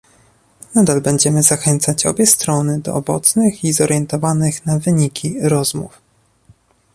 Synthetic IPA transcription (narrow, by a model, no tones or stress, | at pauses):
nad̪albɛɲd͡ʑɛmɘzaxɛnt̪sat͡ɕɔ̰bʲjɛst̪ɾɔnɘd̪ɔ̰ʔːbɔ̰t̪snɘxizɔɾʔjɛnt̪ɔvanɘxnavɘɲikʲʰiɾɔzmṵf